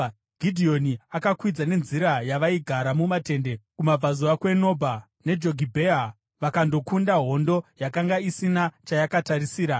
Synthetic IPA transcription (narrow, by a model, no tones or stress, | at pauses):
ɡ̥ʱidʱio̞niakakwid͡zane̞nziɾajaʋaiɡʱaɾamumate̞nde̞kumab͡vazuakwe̞no̞bʱa | ne̞d͡ʒo̞ɡʱibʱea | ʋakando̞kundaɦo̞ndo̞jakaŋɡaisinat͡ʃajakataɾisiːɾa